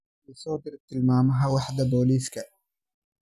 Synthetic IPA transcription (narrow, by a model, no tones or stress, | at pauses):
lɪsɑːd̪ɪɾt̪ʰːɪlmaːmɐɦawɑħd̪ɐboːliːskʰɐ